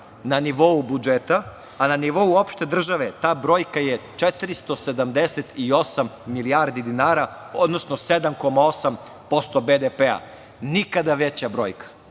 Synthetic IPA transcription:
naniʋo̞ubud͡ʒet̪aː | naniʋo̞uo̞pʃt̪e̞d̪r̩ʒaʋe̞t̪aːbɾo̞ːjkajet͡ʃet̪ɾist̪o̞se̞d̪amd̪eset̪io̞samːilijaːɾd̪id̪inaːɾa | o̞d̪nosno̞sed̪amko̞mao̞sam | po̞st̪o̞bed̪epea̰ | nikad̪aʋe̞t͡ɕabɾo̞ːjkḁ

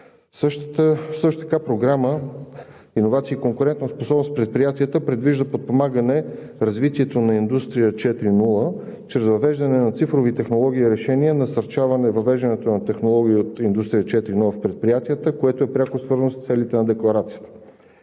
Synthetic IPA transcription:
səʃt̪t̪əsɤʃt̪ot̪əkapɾoɡɾamə | inovat̪siːkoŋkʊɾɛnt̪nosposɔbnospɾɛt̪̚pɾijat̪iət̪əpɾɛd̪viʒd̪əpot̪̚pomaɡənɛ | ɾɐzvit̪iɛt̪onɐind̪ust̪ɾijət͡ʃɛt̪ɾinulˠə | t͡ʃɾɛzvɐvɛʒd̪ɐnɛnɐt̪sifɾovit̪ɛxnolˠɔɡ̟ʲiːɾɛʃɛniənɐsɐɾt͡ʃavɐnɛvɐvɛʒd̪ɐnɛt̪onɐt̪ɛxnolˠɔɡʲiiot̪ind̪ust̪ɾijət͡ʃɛt̪ɾinulˠəfpɾɛt̪̚pɾijat̪ijət̪əkoɛt̪oɛpɾʲakosvɤɾznost̪sɛlit̪ɛnɐd̪ɛklˠɐɾat̪sijə̥t̪ə̥

